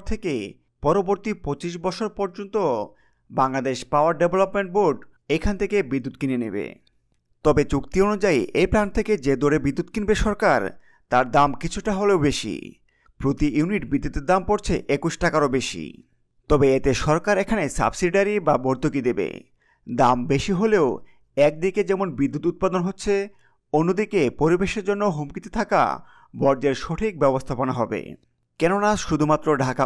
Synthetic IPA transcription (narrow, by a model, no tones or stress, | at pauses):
t̪ʰeke | pɔɾoboɾt̪ipot͡ɕiʃ̬bɔt͡ɕʰoɾpɔɾd͡ʑont̪o | baŋlad̪eʃpawaɾɖeblopmeɳʈ̚boɖ | ejkʰant̪ʰekebid̪ːud̪̚kinenebḛ | t̪ɔbet͡ɕukt̪ionud͡ʑaiʔejplant̪ʰeked͡ʑed̪oɾebid̪ːud̪̚kinbeʃɔɾkaɾ | t̪aɾd̪amkit͡ɕʰuʈaɦoleobeʃḭ | pɾot̪ijuniʈbid̪ːut̪eɾd̪ampoɾt͡ɕʰeʔekuʃʈakaɾobeʃḭ | t̪ɔbeet̪eʃɔɾkaɾekʰanesa̰bsiɖaɾibaboɾt̪okid̪ebḛ | d̪ambeʃiɦoleo | ɛk̚d̪iked͡ʑɛmonbid̪ːut̪ut̪̚pad̪onɦotːɕʰe | onːod̪ikepoɾibeʃeɾd͡ʑonːoɦomkit̪et̪ʰaka̰ | bɔɾd͡ʑeɾʃoʈʰik̚bɛbost̪ʰaponaɦɔbḛ | kɛnonaʃud̪ʱumat̪ːɾoɖʱaka